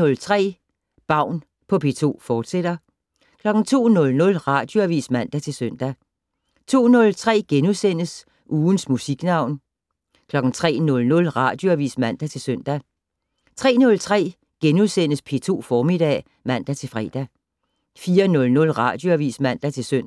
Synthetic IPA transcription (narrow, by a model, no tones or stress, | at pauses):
ɔ̽lt͡sʰʁɛ̰ː | b̥ɑ̈ʊ̰n | pʰɒ̽pʰe̝̰ːt͡sʰo̝̰ːfɒːd̥sed̥ɐ | kʰlɒ̽ɡ̥n̩t͡sʰo̝̰ːnɔ̽lnɔ̽lʁɑ̈d̥joæʋḭːsmæn̰d̥æt͡sʰe̝lsøn̰d̥æ | t͡sʰo̝̰ːnɔ̽lt͡sʰʁɛ̰ːɡ̥enuðˠsen̰əs | ʔuːn̩smusiɡ̥nɑ̈ʊ̰n | kʰlɒ̽ɡ̥n̩t͡sʰʁɛ̰ːnɔ̽lnɔ̽lʁɑ̈d̥jo̝æʋḭːsmæn̰d̥æt͡sʰe̝lsøn̰d̥æ | t͡sʰʁɛ̰ːnɔ̽lt͡sʰʁɛ̰ː | ɡ̥enuðˠsen̰əspʰe̝̰ːt͡sʰo̝̰ːfɒːmid̥ɛ̰ː | mæn̰d̥æt͡sʰe̝lfʁɛ̰ːd̥æ | fiːɐnɔ̽lnɔ̽lʁɑ̈ːd̥jo̝æʋḭːsmæn̰d̥æt͡sʰe̝søn̰